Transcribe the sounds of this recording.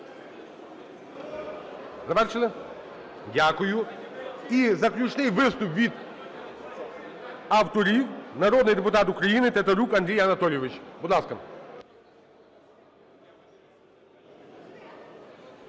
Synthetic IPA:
zɐʋɛrʃelˠɪ | dʲakʊjʊ | izɐklʲut͡ʃnɪjʋɪst̪ʊpʋʲid̪ | awt̪ɔɾʲiwnɐɾɔd̪nɪjd̪ɛpʊt̪ɑt̪ukɾɐjinɪt̪et̪ɐɾʲukɐnd̪ʲɾʲijɐnɐt̪ɔlʲjɔʋɪt͡ʃʲbʊd̪lˠɑskɐ

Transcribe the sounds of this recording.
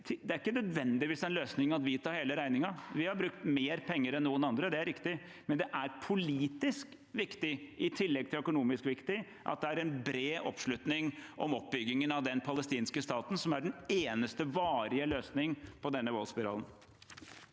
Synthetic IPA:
t̪ʰd̪ɛæɾɪkːənœd̪ʋɛnd̪ɪʋiːsɛɪnløːsnɪŋɑt̪ʋɪt̪ʰɑːɾheːləɾæɪnɪŋɑʋɪhɑɾbɾʉkt̪meːɾpʰɛŋːəɾɛnːuːənɑnd̪ɾəd̪ɛæɾɪkt̪ɪ | mɛnd̪ɛʔæɾpʰʊliːt̪ɪsk | ʋɪkt̪ɪʔɪt̪ʰɪlːɛɡ̚t̪ʰɪlœkʊnuːmɪskʋɪkt̪ɪ | ʔɑ̰t̪̚d̪ɛæɾɛnbɾeːʔɔ̰pʂlʉt̪nɪŋʔɔmɔp̚bʏɡːɪŋənɑʋd̪ɛnpʰɑləst̪iːnskəst̪ɑːt̪n̩sɔmæɖɛneːnəst̪əʋɑːɾɪəløːsnɪŋpʰɔd̪ɛnːəʋɔlspɪɾɑ̰ːlən

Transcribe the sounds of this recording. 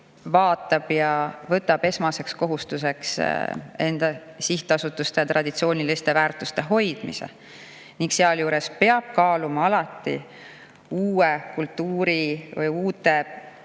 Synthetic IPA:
vɑːt̪ːˑɑb̥jɑvɤt̪ːˑɑb̥e̞smɑse̞ksko̞ɦust̪use̞ks | e̞nd̪̥ɑ | siht̪ɑsut̪ːˑust̪e̞jɑt̪rɑd̪̥it̪sio̞ːnʲilist̪e̞væːrt̪ˑust̪e̞ɦo̞jd̪̥mḭse̞̰ | niŋkseɑljuːɾe̞spe̞ɑb̥̚kɑːlumɑɑlɑt̪ːˑḭ | uːekult̪ˑːuːɾivɯjuːt̪ːˑe̞

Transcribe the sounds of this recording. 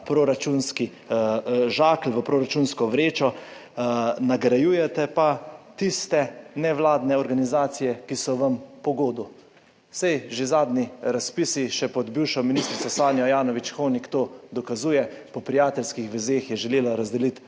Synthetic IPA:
pɾoɾat͡ʃunski | ʒaːklʋəpɾoɾat͡ʃunskɔʋɾeːt͡ʃɔ | naɡɾajuːjɛt̪ɛpat̪ist̪ɛnɛʋlaːd̪nɛɔɾɡanizaːt̪sijɛkisɔʋɐmpɔɡoːd̪u | sɛjʒezaːd̪niɾaspisiʃɛpɔd̪biːwʃɔminist̪ɾit̪sasaːnjɔjaːnɔʋit͡ʃxoːnikt̪oːd̪ɔkazuːjɛpɔpɾijaːt̪ɛlskixʋɛzeːxjɛʒɛleːlaɾazd̪ɛlit̪

